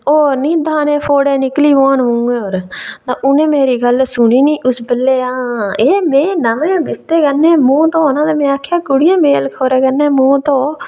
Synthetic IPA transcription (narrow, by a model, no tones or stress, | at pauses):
oːɾnĩːd̪ʱaːnẽːpʰoːɽẽːnɪkliːʋãːnʋũːẽːoːɾt̪ãːʔʊnẽːmeːɾiːɡəlsʊniːnĩːʔʊsbəlːeːãːeːmẽːnəmẽːbɪst̪eːkənẽːmũːt̪õːoːnãːt̪eːmẽːaːkʰjaːkʊɽijãːmeːlkʰoːɾeːɡənːeːmũːt̪õː